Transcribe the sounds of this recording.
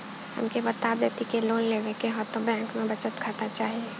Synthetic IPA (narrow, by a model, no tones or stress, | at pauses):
hɐ̰mkebɐt̪aːd̪eːt̪ikeloːnleːʋẽkeɦɔt̪õbɛ̃ːŋkmẽbɐt͡ʃət̪kʰat̪at͡ʃaːɦie